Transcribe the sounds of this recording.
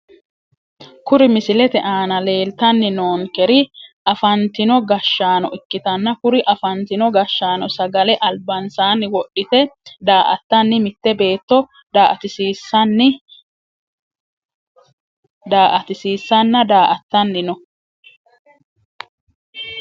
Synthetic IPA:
kʊɾɪmɪsɪlɛt̪ɛʔaːnɐle̞ːlt̪ɐnːɪnoːŋkɛɾɪʔɐfɐnt̪ɪnɔɡɐʃːaːnɔʔɪkːɪt̪ɐnːɐkʊɾɪʔɐfɐnt̪ɪnɔɡɐʃːaːnɔsɐɡɐlɛʔɐlbɐnsaːnːɪwɔɗːɪt̪ɛd̪aːʔɐ̰t̪ːɐnːɪmɪt̪ːɛbe̞ːt̪ːɔ | d̪aːʔɐt̪ɪsiːsːɐnːɪ | d̪aːʔɐt̪ɪsiːsːɐnːɐd̪aːʔɐt̪ːɐnːɪnɔ

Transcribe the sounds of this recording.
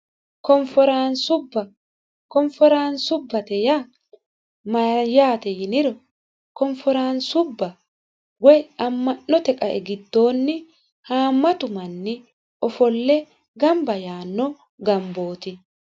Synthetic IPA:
kɔɱfɔɾansʊbːɐ | kɔɱfɔɾaːnsʊbːɐt̪ɛja | mɐjaːt̪ɛjɪnɪɾɔ | kɔɱfɔɾaːnsʊbːɐ | ɡɔjɐmːɐnːɔt̪ɛkʼɐʔɛ̰ɡɪd̪ːo̞ːnːɪ | haːmːɐt̪ʊmɐnːɪ | ɔfɔlːɛ | ɡɐmbɐjaːnːɔ | ɡɐmbo̞ːt̪ɪ

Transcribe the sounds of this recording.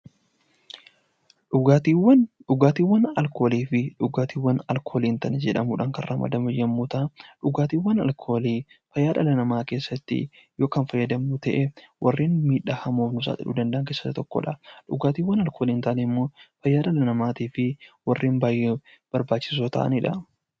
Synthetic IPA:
ᶑʊt̪iwɐnᶑʊɡaːt̪iːwːɐnɐlko̞ːliːfɪᶑʊɡaːt̪iːwːɐnɐlkʰo̞ːliːnt̪ɐnɛd͡ʒɛᶑɐmuːᶑɐŋkɐrrɐmɐ̰d̪ɐmɐjːɐmːuːt̪ɐᶑʊɡaːt̪iːwːɐnɐ̰lkʰoːliː | fɐjːaːᶑɐlɐnɐmaːke̞ːsːɐt̪ːɪ̰ | jo̞ːkɐnfɐjːɐd̪ɐmut̪ɐʔɛwʔɐrːiːnmiːᶑːahɐmoːfnʊsa̰ːt̪ɪ̰ᶑṵːd̪ɐnd̪ɐʔːnŋkeːsːɐtːt̪ɔkːɔ̰ᶑɐᶑʊɡaːt̪iːwːɐnɐlkʰo̞ːliːnt̪ɐʔnɪmːo̞ːfɐjːaːᶑɐlɐnɐmaːt̪iːfɪwɐrːiːnbaːjːeː | b̥ɐɾbaːt͡ʃːɪ̥s̬oːt̪ɐ̰ʔɐ̰nɪᶑɐ

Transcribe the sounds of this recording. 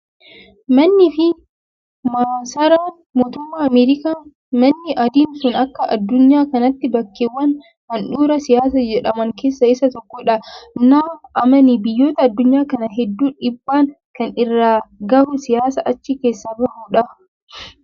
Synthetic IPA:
mɐnːɪfɪ | maːsɐɾaːn | moːt̪ʊmːaːɐmeːɾɪkaː | mɐnːɪʔɐd̪iːnsʊnɐkːɐʔɐ̰d̪ːʊɲːaːkɐnɐt̪ːɪbɐkːeːwːɐn | hɐnᶑuːɾɐsɪjaːs̬ɐd͡ʒɛᶑɐmɐŋke̞ːsːɐɪsɐt̪ɔkːɔᶑɐnaːʔɐmɐnibɪjːo̞ːt̪ɐːd̪ːʊɲːaːkɐnɐɦɛd̪ːuːᶑɪbːaːŋ | kɐnɪrːaːɡɐmɛsɪjaːsɐʔɐt͡ʃːɪke̞ːsːɐbɐhuːᶑɐ

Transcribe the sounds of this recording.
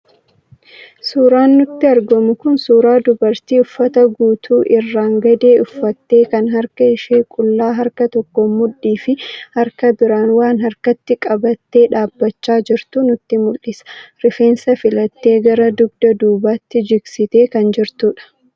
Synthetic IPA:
suːɾaːnːʊt̪ːɪɐɾɡɔmʊkʊnsuːɾaːd̪ʊbɐɾt̪iːʊfːɐt̪ɐɡuːt̪ʰuːʔɪrːaːŋɡɐd̪eːʊfːɐt̪ːe̞ːkɐnɦɐɾkɐɪʃeːkʼʊlːaːɦɐɾkɐt̪ɔkːɔmʊᶑiːfɪhɐɾkɐbɪɾaːnwaːnɦhɐɾkɐt̪ːɪkʼɐbɐt̪ːe̞ːᶑaːbːɐt͡ʃːaːd͡ʒɪɾt̪unʊt̪ːɪmʊlʔɪsɐ̥ɾɪfe̞ːnsɐfɪlɐt̪ːe̞ːɡɐɾɐd̪ʊɡ̚d̪ɐd̪uːbaːt̪ːɪd͡ʒɪɡsɪt̪e̞ːkɐnd͡ʒɪɾt̪uːᶑɐ̥

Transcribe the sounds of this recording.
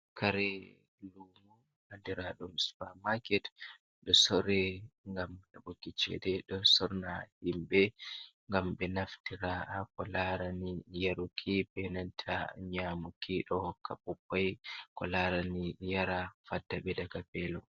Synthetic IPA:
kʰaɾɛ | lumu | handiɾaɗumspamakɛt | ɗɔsɔɾɛŋɡamɗabokːit͡ʃɛ̰dɛɗɔsɔɾnahimbɛŋɡamɓɛnaftiɾaʔakɔlaɾanijaɾukʰibɛnantʰa̰ɲamukiɗɔɔkʰːapupːajkɔlaɾanijaɾafadːaɓɛdakapɛlɔ

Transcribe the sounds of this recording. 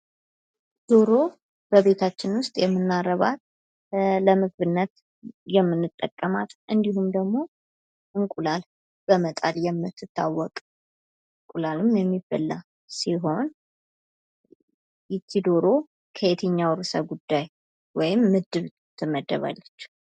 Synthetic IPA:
d̪̥o̞ɾo̞ | bəβe̞t̪ʰat͡ʃːɪnwʊst̪ʼjɛmːɨnːarəβat̪ | ləmɨɡβɨnːət̪ | jɛmːɨnːɨt̪ʼːəkʼːəmat̪ʔɨnd̪iɦumd̪əɡmo̞ | ʔɨŋkʼulal | b̥əmət̪ʼaljɛmːɨt̪ʰːɨt̪ʰːawːɔkʼ | ɨŋkʼulalɨmjɛmːibəlːa | siɦo̞n | jɪt̪ʰːid̪o̞ɾo̞ | kʰəjet̪ʰəɲːawɾsəɡud̪ːaj | wɔjɪmːɨd̪ːɨβ | t̪ʰːɨmːəd̪ːə̰βa̰lːət͡ʃː

